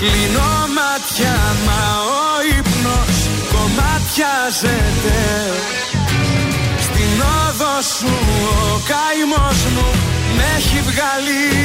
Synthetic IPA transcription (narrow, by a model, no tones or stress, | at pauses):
klinomɐt̪çɐmɐoipnos | ko̞mɐt̪çɐzet̪e | st̪inoðos | uokɐ | imo̞zmumeçivɣɐli